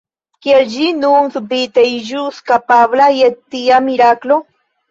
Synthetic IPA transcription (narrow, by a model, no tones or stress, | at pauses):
kjed͡ʒinuŋsubit̪eʒuskapablajet̪ːiamiɾaklo